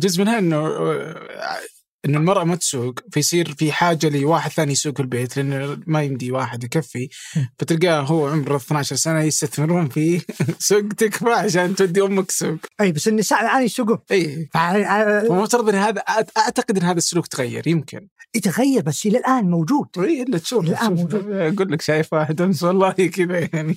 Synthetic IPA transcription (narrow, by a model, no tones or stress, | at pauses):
d͡ʒʊzmɪnhaʔɪnːʊ | ʔɪnːɪlmɑɾˤʔɑmat̪suːɡfajsˤiːɾfiħaːd͡ʒːaliwaːħɪd̪θaːnijsuːɡfɪlbeːt̪lɪʔanːmajɪmd̪iwaːħɪd̪jkafːifat̪ɪɾɡaːɦʊwːʕʊmɾɪθnaʕaʃɑɾˤsanajɪst̪aθmɪɾhʊmfiːsʊɡt̪ɪkfaʕaʃaːnt̪wad̪ːiʔʊmːaksuːɡʔiːbasʔɪnːɪsaːʕmʕaːnisʊɡʊmʔiːfaawmʊft̪ɑɾˤɑd̪ˤʔɪnːhaːðaʔaʔaʕt̪aqɨd̪ʔɪnːhaːðasːʊluːkt̪ɣajːɑ̰ɾˤjɪmkʰɪ̰nɪt̪aɣajːɑɾˤbasːilɪlʔaːnmowd͡ʒuːd̪̥ʔiːʔɪlːat̪ʃuːfɪlʔaːmɡuːlːɪkʃaːjɪfwaːħɪd̪ansalˤːɑːiːkɪb̪ajaʕni